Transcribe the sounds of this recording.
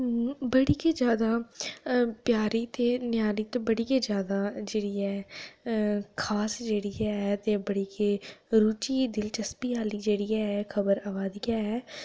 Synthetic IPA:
bəɽiːkeːd͡ʒjaːd̪aː | pjaːɾiːt̪eːnjaːɾiːt̪õːbəɽiːkeːd͡ʒjaːd̪aːd͡ʒeːɽiːɛː | kʰaːsd͡ʒeːɽiːɛːɛːt̪eːbəɽiːkeːɾuːt͡ʃiːd̪ɪlt͡ʃəspiːaːliːd͡ʒeːɽiːɛːɛkʰəbəɾaːʋaːd̪iːaːɛː

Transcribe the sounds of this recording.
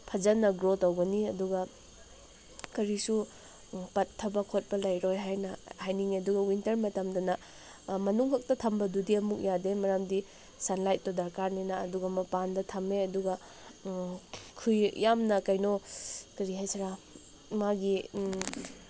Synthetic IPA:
pʰɐzɐnːɐɡɾotɐwɡɐniɐduɡɐ | kɐɾisu | pɐtʰːɐbɐkʰot̚pɐlɐjɾojɦajnɐhajniŋeɐduɡɐwintɐɾmɐtɐmdɐnɐ | mɐnuŋhɐk̚tɐtʰɐmbɐdudiɐmuk̚jademɐɾamdi | sɐnlajt̚ːɔdɐɾkaɾninɐːduɡɐmɐpandɐtʰɐmeɐduɡɐ | kʰujjamnɐkɐjnokɐɾiɦajsɐɾa | maɡi

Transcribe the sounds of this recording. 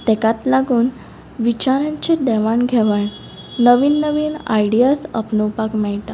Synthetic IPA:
t̪ɛkat̪laɡuːn | ʋit͡ɕaɾãɲt͡ɕed̪ɛʋaɳɡʱɛʋaɳ | nəʋiːnːəʋiːna̰jɽijasəpnəwpakmɛɭʈ̪a

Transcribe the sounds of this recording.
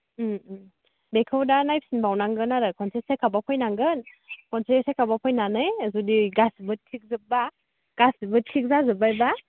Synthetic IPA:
bekʰɯwdanajp̚sinbawnaŋɡɯnaɾɯkʰɔnsʰesejkʰabapʰɔjnaŋɡɯn | kʰɔnsʰesejkʰabapʰɔjnanɯjzudiɡasbɯt̚tʰik̚zɯp̚ba | ɡ̥asbɯt̚kʰik̚zazɯbajba

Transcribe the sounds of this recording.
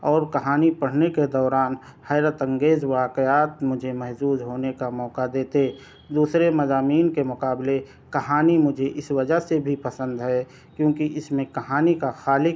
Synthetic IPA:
ɔːɾkɐɦaːnipɐɽ̤neked̪ɔːɾaːn | hɛːɾət̪ə̃ŋɡeːzʋaːkəjaːt̪mʊd͡ʒʱemɛɦsuːzɦoːnekamɔːkad̪eːt̪eː | d̪uːsɾemɐzaːmiːnkemʊkaːble | kɐɦaːnimʊd͡ʒʱeʔɪsʋəd͡ʒəɦsebʱipɐsə̃nd̪ɦɛ | kjõːkiʔɪsmẽkɐɦaːnikaxaːlɪ

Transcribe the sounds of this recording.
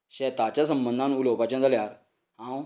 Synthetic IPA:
ɕɛt̪at͡ɕas̬əmbənd̪ʱãnulopat͡ɕãnd̪əljaɾ | ɦãw

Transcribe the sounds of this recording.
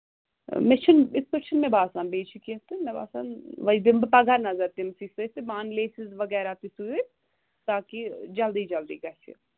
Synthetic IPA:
met͡ʃʰənɪspət͡ʃʰənmẽbaːsãːnbeːt͡ʃʰikiɐt̪ɨmeba̰ːsanʋɐd̪ɪmbpɐɡɐɾnɐzɐɾt̪imsisɐt̪emaːnleːsɪzʋɐɡɛːɾat̪isue | t̪aːkid͡ʒɐld̪iːd͡ʒɐld̪ḭːɡɐt͡ʃʰḭ

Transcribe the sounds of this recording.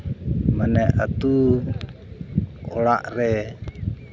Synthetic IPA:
maneʔa̰t̪u | olaʔre

